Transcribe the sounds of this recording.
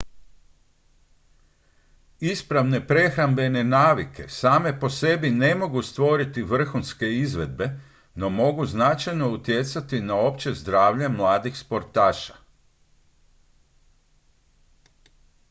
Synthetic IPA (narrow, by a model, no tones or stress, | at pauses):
ispɾaʋne̞pɾe̞xɾambe̞ne̞naːʋikʰe̞̰saːme̞po̞se̞bine̞mo̞ɡust̪ʋo̞ɾit̪iʋr̩xunske̞izʋe̞d̪̚be̞ | no̞mo̞ɡuznat͡ʃajno̞ut̪je̞t̪sat̪inao̞pt͡ɕe̞zd̪ɾaːʋʎamlˠaːd̪ixspo̞ɾt̪aːʃḁ